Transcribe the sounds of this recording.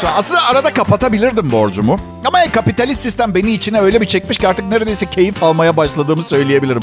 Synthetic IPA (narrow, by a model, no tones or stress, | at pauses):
aslɯnd̪aːɾad̪akʰapat̪ʰabilʲiɾd̪imbo̞ɾd͡ʒumʊ | amaɛkʰapit̪ʰalʲist̪ːist̪ʰæmbe̞niːt͡ʃʰinɛø̞jlʲɛbit͡ʃʰɛc̚miʃciaɾt̪ʰɯk̚ne̞ɾed̪e̞jisɛcʰe̞jifalˠmajabaʃlˠad̪ɯːmɯsø̞jlʲije̞bilʲiɾim